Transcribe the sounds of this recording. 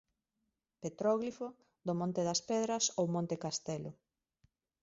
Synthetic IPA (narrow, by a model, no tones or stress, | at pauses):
pet̪ɾɔɣlifo | d̪omõnt̪eðɐspɛðɾɐsowmõnt̪ekast̪ɛlo̰